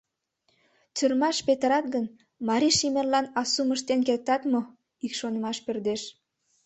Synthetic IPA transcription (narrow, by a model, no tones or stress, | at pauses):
t͡syrmɑʃpet̪ɾɑt̪̚ɡən | mɑɾiʃimellɑnɑsuməʃt̪enkert̪ɑt̪mo | ikʃonəmɑʃpørd̪eʃ